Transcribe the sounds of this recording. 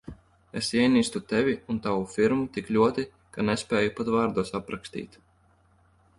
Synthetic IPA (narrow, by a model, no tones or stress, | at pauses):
esiɛjniːst̪ut̪ɛvʲiunt̪awufiɾmut̪iklʲuɔt̪i | kanɛspʲɛːjupat̪vaːɾd̪uɔsapɾakst̪ḭːt̪